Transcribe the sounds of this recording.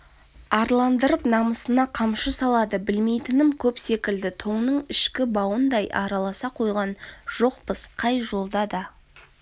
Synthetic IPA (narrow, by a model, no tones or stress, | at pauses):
ɑɾlˠɑnd̪əɾəpnɑməsənɑqʰɑmʃəsɑlˠɑd̪əbɪlme̞jt̪ɪnɪmkʲʰɵpse̞kʲɪld̪ɪt̪ʰo̞ɴnəɴɪʃkʲɪbɑwənd̪ɑjʔɑɾɑlˠɑsɑqʰo̞jʁɑnʒ̥o̞qpəsqʰɑjʒo̞lˠd̪ɑd̪ɑ